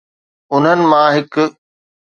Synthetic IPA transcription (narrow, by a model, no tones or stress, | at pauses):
ʊn̤ənɪ̆mãːɦɪk